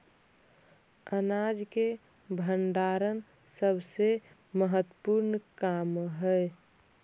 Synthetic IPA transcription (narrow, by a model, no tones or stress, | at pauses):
ənad͡ʒke | bʱəɳɖaɾən | səbʱse | məɦət̪ːpuɾnkamɦəj